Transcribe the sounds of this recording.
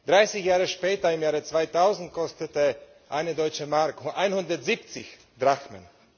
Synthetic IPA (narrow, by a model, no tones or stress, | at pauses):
d̥ʁaɪsɪçjaːʁəʃpɛːtɐɪmjaːʁət͡sv̥aɪtaʊzn̩t̚kʰɔstətə | ʔaɪnədɔʏt͡ʃəmaʁkhʔaɪnhʊndɐtz̥iːp̚t͡sɪ̰ç | d̥ʁaxmə̰n